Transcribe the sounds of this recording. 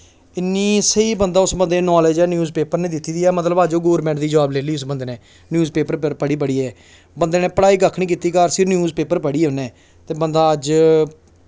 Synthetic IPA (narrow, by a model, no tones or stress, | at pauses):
ɪnːiːsəiːbənd̪aːʊsbə̃nd̪eːnɔːleːd͡ʒɛːnjuːzpeːpəɾnẽːd̪ɪt̪ːiːd̪iːɛːmət̪ləbaːd͡ʒoːɡoːɾmɛ̃ɳʈd̪iːd͡ʒəʋaːbleːliːʊsbənd̪eːneː | njuːzpeːpəɾəɾpəɽiːp̬əɽiːɛː | bənd̪eːnẽːpəɽaːiːɡəkʰnĩːk̬iːt̪iːkaɾsɪɾnjuːzpeːpəɾpəɽiːoneː | t̪eːbənd̪aːəd͡ʒ